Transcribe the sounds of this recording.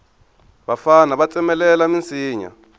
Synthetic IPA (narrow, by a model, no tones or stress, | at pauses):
ɓafanaβat͡sʼɛmɛlɛlamint͡sʰʼiːɲa̰